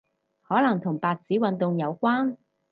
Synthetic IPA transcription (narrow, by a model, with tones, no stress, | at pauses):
hɔː˨˥lɐ˨˩ŋt̪ʰʊ˨˩ŋpaː˨k̚t͡siː˨˥wɐ˨˧nt̪ʊ˨ŋjɐ˨˧wkʷaː˥n